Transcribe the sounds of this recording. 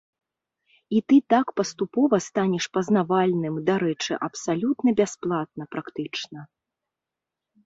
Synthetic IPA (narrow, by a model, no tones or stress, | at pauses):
it̪ɨt̪akpɐst̪upɔvɐst̪anʲɛʂpɐznavalʲnɨmd̪aɾɛt͡ʂɨ̰ʔɐpsalʲut̪nɐbʲasplˠat̪̚nɐpɾakt̪ɨt͡ʂnɐ